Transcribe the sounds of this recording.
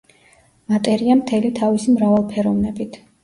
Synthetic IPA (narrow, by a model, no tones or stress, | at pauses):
mat̪ʼɛɾiamt̪ʰɛlit̪ʰavisimɾavalˠpʰɛɾɔvnɛbit̪ʰ